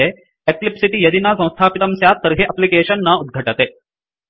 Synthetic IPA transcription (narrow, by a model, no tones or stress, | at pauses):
e | eklipsiʈijɐd̪inasɐ̃w̃st̪ʰaːpit̪ɐmsjat̪ːɐɾɦeʔɐplikeːɕənːɐud̪̚ɡʱɐʈɐt̪eː